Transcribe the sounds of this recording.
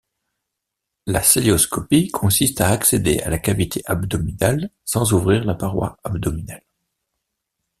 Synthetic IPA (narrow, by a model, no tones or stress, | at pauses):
la̰seleɔskɔpikʰɔ̃sist̪aːksed̪ḛa̰lakavit̪ʰeʔabd̪ɔmid̪al | sɑ̃zuvʁiʁlapaʁwa̰abd̪ɔmid̪al